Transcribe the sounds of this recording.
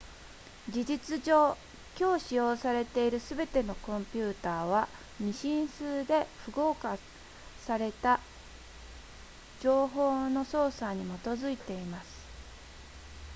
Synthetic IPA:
d͡ʑid͡ʑit͡sɨd͡ʑoː | kʲo̞ːɕijo̞ːsaɾe̞t̪e̞iɾɯ̟sɨbe̞t̪e̞no̞kõ̞mpʲɯːt̪aːβ̞a | mʲiɕĩɰ̃sɨːd̪e̞ɸɯ̟ɡo̞ːka | saɾe̞t̪a | d͡ʑo̞ːɦo̞ːno̞so̞ːsaɲ̟imo̞t̪o̞zɨit̪e̞imasɨ̥

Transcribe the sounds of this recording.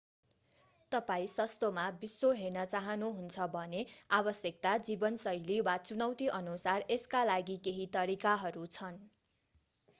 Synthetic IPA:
t̪ʌpaĩsʌst̪omabisːoɦernʌt͡saɦʌnuɦunt͡sʰʌbʱʌneabʌsjʌk̚t̪ad͡zibʌnsʌjliwat͡sunʌwt̪iʔʌnusareskalaɡikeɦit̪ʌɾikaɦʌɾut͡sʰʌn

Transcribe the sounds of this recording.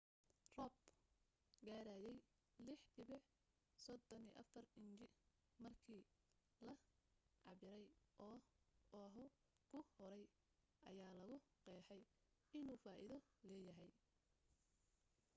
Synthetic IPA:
rɔb | ɡaːɾaːjɛj | lɪħdɪβɪħ | sɔd̪ɔniːʔɐ̰fɐrɪnd͡ʒɪ | mɐrkʰiː | lɐʕɑβɪɾɛjʔɔːɔːɦɔ | kʰʊhɔɾɛj | ʔɐ̰jaːlɐɣʊqɛːħɛj | ɪnuːfaːʔɪ̰ðɔ | lɛːjɐɦɛj

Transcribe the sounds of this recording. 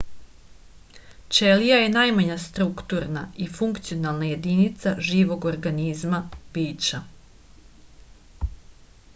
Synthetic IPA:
t͡ʃelijaje̞najmaɲast̪ɾukt̪uɾnaifuŋkt̪sio̞nalˠnaje̞d̪init̪saʒiːʋo̞ɡo̞ɾɡanizmab̥iːt͡ʃa

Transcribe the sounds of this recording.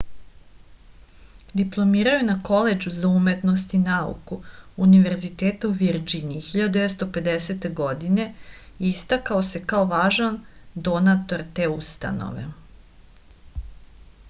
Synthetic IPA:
d̪iplˠo̞miːɾajunako̞led͡ʒuzaume̞t̪no̞st̪inaṵkuːniʋe̞ɾzit̪eːt̪auʋiɾd͡ʒinixiʎad̪ud̪eʋest̪ope̞d̪ese̞t̪e̞ɡo̞d̪ine̞ist̪akaose̞kaoʋaːʒand̪o̞nat̪o̞ɾt̪e̞ust̪a̰no̰ʋe̞̰

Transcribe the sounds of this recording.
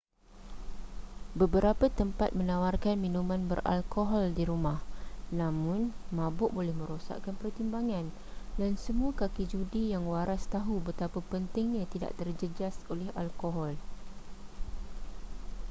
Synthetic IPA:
bəbəɾapat̪əmpat̪̚mə̃nãwarkanmĩnũmãnbə̰rʔa̰lkoɦɔldiɾumahnãmʊ̃nmãbʊʔbolɛhmə̃ɾosa̰ʔkanpərt̪imbaŋãn | dansəmuakakid͡ʒudijaŋwaɾast̪aɦubət̪apapənt̪ɪŋɲat̪ida̰ʔt̪ərd͡ʒəd͡ʒasolɛɦalkoɦɔl

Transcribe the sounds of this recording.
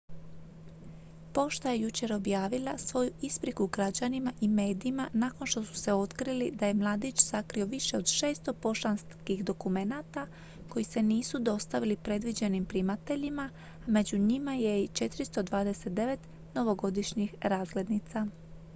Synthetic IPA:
po̞ʃt̪aje̞jut͡ʃe̞ɾo̞bjaːʋilˠasʋo̞juispɾikuɡɾad͡ʑanimaʔime̞ːd̪iːmanako̞nʃt̪o̞su̥se̞o̞t̪kɾilid̪aje̞mlˠad̪it͡ɕsakɾio̞ʋiʃe̞o̞d̪ʃe̞ːst̪o̞po̞ʃanskixd̪o̞kume̞nat̪a | ko̞jise̞niːsud̪o̞st̪aʋilipɾe̞d̪ʋid͡ʑe̞nimpɾimat̪e̞ʎima | me̞d͡ʑuɲimaje̞t͡ʃe̞t̪iɾist̪o̞d̪ʋaːd̪e̞se̞t̪̚d̪e̞ʋe̞t̪ | no̞ʋo̞ɡo̞d̪iʃɲixɾaːzɡled̪nit̪sa

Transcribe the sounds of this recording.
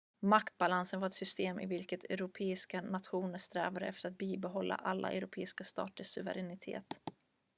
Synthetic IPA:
makt̪̚balansənvaɾɛt̪sʏst̪eːmʔɪ̰vɪlkət̪ʰɛ̰ɾʊpʰeːɪskanat̪ɧuːnəst̪ɾɛ̰ːvad̪ə̰ʔɛft̪əɾat̪̚biːbɛɦɔlːa̰ʔalːʔa̰ʔɛ̰wɾʊpʰeːskast̪ɑ̰ːʈ̪əʂɵvə̰ɾɛnɪt̪ʰḛːt̪

